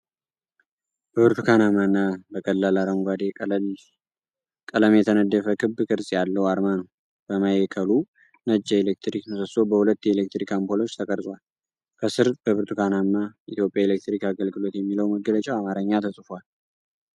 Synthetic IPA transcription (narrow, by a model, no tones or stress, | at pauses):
b̥əβɨɾt̪ʰukʰanamanːabəkʼəlːalaɾəŋɡʷad̪e | kʼələmjɛt̪ʰənəd̪ːəfəkʰɨbːkʼɨɾsʼjalːəwaɾmanəw | b̥əmajɛkʰəlu | nəd͡ʒːɛelek̚t̪ɾikmʰəsəso̞bəhulət̪ːjelek̚t̪ɾikampʰolo̞t͡ʃːt̪ʰəkʼəɾsʼwal | kʰəsɨɾbəβɨɾt̪ʰukʰanamːaʔit̪jo̞pʼjaelek̚t̪ɾikaɡəlɡɨlo̞t̪jɛmːiləwməɡːələt͡ʃʼɛwamaɾəɲːat̪ʰəsʼɨfal